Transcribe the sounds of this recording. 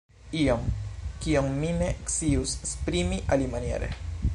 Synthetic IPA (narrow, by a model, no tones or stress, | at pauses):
iomkiomːine̞eksiusspɾimiʔalimanie̞̰ɾe̞̰